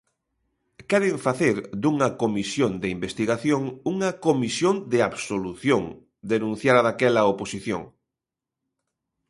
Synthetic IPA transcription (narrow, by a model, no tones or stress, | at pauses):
kɛɾeɱfaθeɾd̪uŋɐkomisjond̪eimbest̪iɣaθjoŋuŋɐkomisjond̪eaβsoluθjoŋ | d̪enũn̟θjaɾaðakɛlɐoposiθjõ̰ŋ